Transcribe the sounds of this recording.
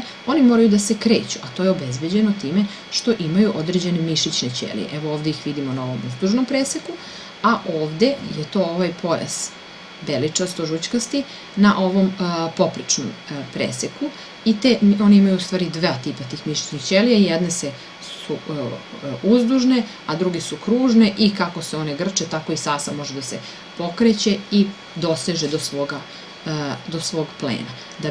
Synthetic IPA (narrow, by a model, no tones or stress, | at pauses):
o̞nimoɾajud̪asekɾe̞ːt͡ɕuʔat̪ojeobezbe̞d͡ʑe̞not̪iːme̞ | ʃt̪o̞ʔimajuʔo̞d̪ɾed͡ʑe̞nemiʃit͡ɕnet͡ɕḛlḭjḛʔɛʋo̞oːʋd̪eixʋid̪imonaoʋomuzd̪uʒnompɾeːseku | aʔoːʋd̪e̞jet̪o̞ːoʋajpʰo̞ja̰s | belit͡ʂast̪oʒut͡ɕkast̪i | naʔo̞ʋo̞mpopɾit͡ʂnompɾḛseku | it̪eo̞niimajuust̪ʋaːɾid̪ʋaːt̪ipat̪iːxmiʃo̥t͡ɕnixt͡ɕelijaijɛd̪nese | su | uzd̪uʒne̞ | ad̪ɾuɡesukɾuːʒne̞ʔikako̞seo̞neɡr̩t͡ʃet̪ako̞isaːsamo̞ʒed̪ase | po̞kɾet͡ɕe̞i | d̪o̞seʒed̪osʋoːɡa | d̪o̞sʋo̞ːɡplḛːna | d̪a